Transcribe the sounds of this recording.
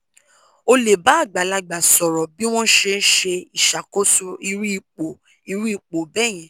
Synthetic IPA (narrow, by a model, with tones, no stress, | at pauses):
o˧le˨ba˨˦a˦˨ɡ͡ba˨la˧ɡ͡ba˨sɔ˨ɾɔ˨bi˦w̃ɔ̃˦ʃe˧n̩˦ʃe˧i˨ʃa˨ko˦su˦i˧ɾi˦i˦˨k͡po˨ | i˨˧ɾi˦i˦˧˨k͡po˨bɛ˦˨j̃ɛ̃˨